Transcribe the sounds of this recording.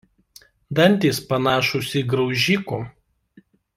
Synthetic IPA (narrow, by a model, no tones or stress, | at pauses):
d̪ɐnʲˑt̪ʲiːspɐnɑːʃʊsʲɪɡɾɒʊʒʲiːkuː